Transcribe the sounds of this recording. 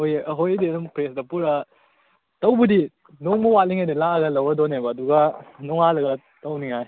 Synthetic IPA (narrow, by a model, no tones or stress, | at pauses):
ojɦojdenumpɾesdɐpuɾɐ | tɐwbɐdi | noŋmɐwatliŋajdilaɐɡɐlɐwɐdonebɐːduɡɐnɔŋalɐɡɐ | tɐwniŋaj